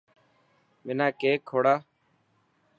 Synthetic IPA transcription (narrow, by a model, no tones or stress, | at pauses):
mɪnaːkeːkʰːoːɽaː